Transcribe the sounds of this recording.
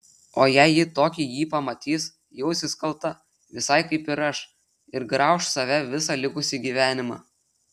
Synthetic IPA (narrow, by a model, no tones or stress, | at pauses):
oːjæɪjɪt̪oːkʲijiːpɐmɐt̪ʲiːs | jɛʊsʲɪskɐlˠˑt̪ɐ | ʋʲɪsɐɪkɐɪpɪɾɐʃ | ɪɾɡɾɑˑʊʃsɐʋʲɛʋʲɪsɑlʲɪkʊsʲɪɡʲiːʋʲæːnʲɪmɑ̰ː